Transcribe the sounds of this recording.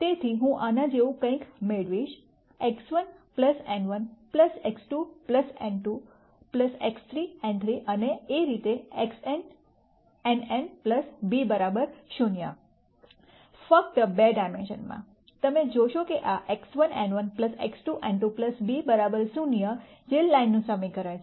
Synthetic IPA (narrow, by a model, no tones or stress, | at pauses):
t̪et̪ʰiɦũʔanãd͡ʒeʋũkə̃ĩkmeɭʋiʃ | eksʋənpləsɛnʋənpləseksʈupləsɛ̰nʈu | pləsekst̪ʰɾiɛ̃nt̪ʰɾiʔəneːɾit̪eeksen | ɛnenpləsbibəɾabəɾɕunjə̰ | fək̚t̪əbeɖaɪmenɕə̰nmã̰ | t̪əmẽd͡ʑoɕokiʔaʔeksʋənɛ̃nʋənpləsḛksʈuʔɛ̃nʈupləsbibəɾabəɾsunjəd͡ʑelːanːũsamĩkəɾaj